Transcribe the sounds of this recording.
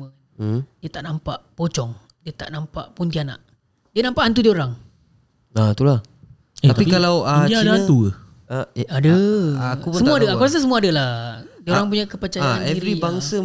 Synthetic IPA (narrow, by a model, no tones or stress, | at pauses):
məkndiət̪aʔnampaʔpot͡ʃɔŋ | diət̪a̰ʔnampa̰ʔpunt̪iana̰ʔ | diənampaʔant̪̬udiəoɾaŋ | at̪ulah | eapikalawaiint̪uə | adəkupsəmuadaakuɾas̬əs̬əmuaadəlahdiəoɾaŋp̬uɲakəpət͡ʃajaɛvɾibaŋsə